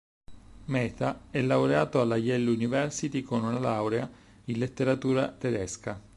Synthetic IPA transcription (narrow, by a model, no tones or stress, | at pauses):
mɛːt̪aɛlːawɾeaːt̪oalːajɛlːounivɛrsit̪ikonunalawɾea | inlet̪ːeɾat̪uːɾat̪ed̪ɛska